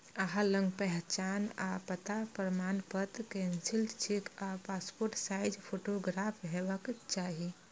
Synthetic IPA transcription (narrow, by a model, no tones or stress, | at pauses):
əɦaləŋɡpɛɦt͡ʃana̰pət̪apəɾəmanpət̪kɛnsilt͡ʃʰikapaspoɾʈsajd͡ʒpʰoʈoɡɾapʰɦebəkt͡ʃaɦi